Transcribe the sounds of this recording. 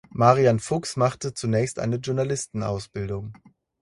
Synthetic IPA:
maʁianfʊksmaχtət͡sunɛːçstʔa̰ɪnəʒʊɐnalɪstn̩a̰ʊsb̥ɪldʊŋ

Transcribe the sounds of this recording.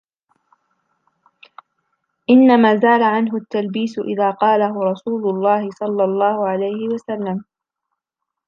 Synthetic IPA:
ʔɪnːamaːzaːlaʕanɦʊt̪ːalbiːsʊʔɪ̰ðaːqɑːlaɦʊɾˤɑsuːlʊlˤːɑːhɪsˤɑlːɑlˤːɑːhʊʕalajhɪwasalːam

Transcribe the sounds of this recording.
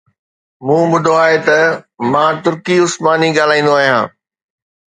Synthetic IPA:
mũːbʊd̪ʱoaːɦet̪ɐmãːt̪ʊɾkiʊsmaːniɠaːl̤aːĩːn̆d̪oaːɦijãː

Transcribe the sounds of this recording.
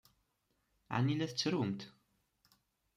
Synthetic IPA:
ʕa̰nːilæθət͡sːɾumt̪

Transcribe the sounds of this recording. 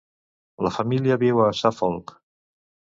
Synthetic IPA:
ləfəmiljəβiwasafɔlk

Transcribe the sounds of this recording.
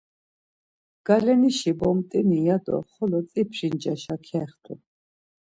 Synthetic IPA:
ɡ̥alɛniʃibɔmt̪ʼinijad̪ɔ̰χɔlɔt͡s̪ʼipʰɾind͡ʒaʃakʰɛχt̪ʰṵ

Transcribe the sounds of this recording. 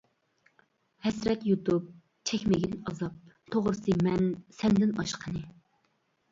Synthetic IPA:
hɛsɾɛt̪jut̪ʰup̚ | t͡ʃʰɛkʲmɪɡʲinɑzɑp̚t̪ʰoʁɾɨsɨmɛnsɛnd̪ɪnɑ̰ʃqʰənɨ

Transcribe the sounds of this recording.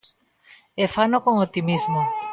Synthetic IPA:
efanokoŋot̪imizmo

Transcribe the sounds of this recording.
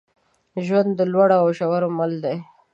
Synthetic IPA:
ʒwand̪ːəlwaɽaːwʃawaɾomald̪e

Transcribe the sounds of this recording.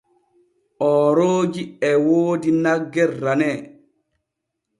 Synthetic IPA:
ʔɔːɾoːd͡ʒiɛwoːdinaɡːɛrːanɛː

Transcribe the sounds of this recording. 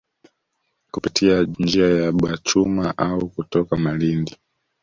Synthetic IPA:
kupitʰiand͡ʒiajaɓwat͡ʃumaʔaukutɔkamalindi

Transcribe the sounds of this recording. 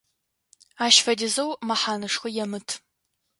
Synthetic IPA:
aːʃfɐdɪzɐwmɐħaːnɨʂxʷɨjɛmɨtʰ

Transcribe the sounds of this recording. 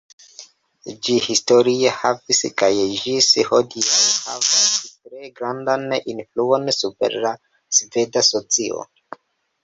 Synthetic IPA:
d͡ʒihisto̞ɾiehaviskajʒishodiasha̰vasstɾe̞ɡɾandaninfluo̞nsupe̞̰ɾla | sve̞daso̞t͡sio̰

